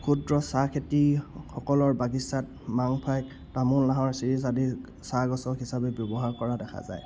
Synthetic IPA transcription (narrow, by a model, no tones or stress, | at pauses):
kʰudɹɔsakʰetixɔkɔlɔɹbaɡisat | maŋpʰajk | tamullaɦɔɹsiɹis̬adi | saɡɔsɔɦisabɛbjɔbɔɦaɹkɔɹadɛkʰa̰za̰j